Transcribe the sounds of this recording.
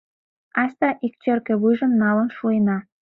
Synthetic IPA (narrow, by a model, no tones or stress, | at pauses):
ɑsʲt̪ɑʔik̚t͡ɕørkĕβujʒə̆mnːɑlə̆nʃuenɑ